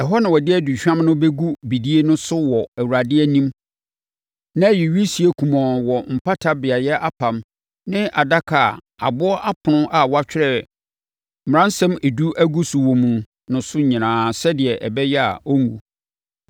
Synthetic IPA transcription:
ɛ˨ɦɔ˦nã˨wɔ˨dɪ˦ɛ˦du˨ɕᶣã˦mnʊ̃˦be˦ɡu˦bi˨di˦e˦nʊ̃˦sʊ˦wɔ˨æ˨wu˨ɾa˨dɪ˦ɛ˦nĩ˦m | nã˦ji˨ɥi˦si˨˦e˦kʰu˨mɔ̃˨wɔ˨m̩˨pa˦tʰa˦bɪ˨a˨jɛ˦ʔa˦pʰã˨m | nɪ̃˦ʔa˨da˦kʰa˨ | a̰˨bʊ˦ɔ˦ʔa˦pʰʊ˨nʊ̃˦ʔa˨wa˦t͡ɕᶣɪ˦ɾɛ˦˨ | m˨ã˦n˦sɛ̃˦me˨du˦ʔæ˦ɡu˦sʊ˨wɔ̃˨mũ˨ | nʊ̃˨sʊ˦ɲĩ˨nãː˨sɛ˦dɪ˨ɛ˨ʔɛ˨bɛ˦jɛ˦a̰˨ɔ˦ŋ˦ɡṵ˨

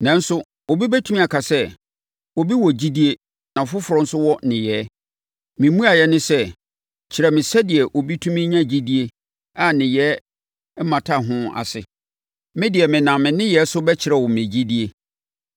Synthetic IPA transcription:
nɛ̃˨n̩˦sʊ˦ | o˨bi˦bɛ˦tʰu˦ĩ˦a˨kʰa˨sɛ˦ | o˨bi˦wɔ˨d͡ʑi˦di˦e˦ | nã˨fʊ˦fʊ˨ɾɔ̃˦n̩˦sʊ˦wɔ˦nɪ̃˨jɛː˦ | mɪ̃˨mũ˦a˨jɛ˦nɪ̃˦sɛ˦ | t͡ɕʰɪ˨ɾɛ˨mɪ̃˨sɛ˦dɪ˨ɛ˨ʔo˨bi˦tʰũ˦mĩ˦ɲã˦d͡ʑi˦di˦e˦ | a˦˨nɪ̃˨jɛː˨˦ | mã˨tʰa˦˨ɦʊ̃˦a̰˨sɪ̰˨ | mɪ̃˦dɪ˨ɛ˨mɪ̃˨nã˨mɪ̃˨nɪ̃˦jɛ˨˦sʊ˦bɛ˦t͡ɕʰɪ˨ɾɛ˨wɔ̃˨mɪ̃˨d͡ʑi˦di˦e˦

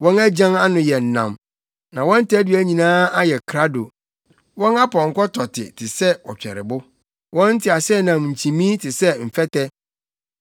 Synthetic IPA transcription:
wɔ̃˦næ˦d͡ʑã˦ŋa˦nʊ̃˨jɛ˨n̩˨nã̰˨m | nã˨wɔ̃˦n̩˦tæ˦dɥæ˦ɲĩ˨nãː˦a˦jɛ˨kʰɾa˦do˨ | wɔ̃˦na˦pʰɔ̃˨ŋ̩˨kɔ˦tʰɔ˨tʰɪ̰˨tʰɪ˨sɛ˦wɔ˨t͡ɕᶣɛ̰˨ɾɪ̰˨bʊ˦ | wɔ̃˦n̩˦tʰɪ˨a˨sɛ˦nã˨mɲ̩˨t͡ɕʰĩ˨mĩ˦tʰɪ˨sɛ˦m̩˨fɛ˦tɛ˦

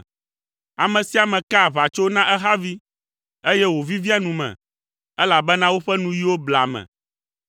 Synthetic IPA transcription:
a˨mɛ̃˨si˦a˨mɛ̃˨ka˦˨va˨t͡ʃo˦nã˦ʔɛ˦ɦa˦vi˦ | e˦jɛ˦wo˨vi˦vi˦a˦nũ˨mɛ̰̃˨ | ɛ˦la˨bɛ˦nã˦wo˦ɸɛ˦nũ˦ji˦wo˦bla̰˨mɛ̰̃˨

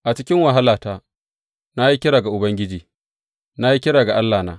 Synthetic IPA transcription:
ʔa˨t͡ʃɪ˦kʲɪ˦ŋwa˨ɦa˦laː˨taː˦ | na˦ji˦kʲɪ˦ɽaː˨ɡa˨ʔʊ˨bɐ˦ŋɡʲɪ˦d͡ʒiː˨ | na˦ji˦kʲɪ˦ɽaː˨ɡa˨ʔa˦lːaː˨na̰ː˦

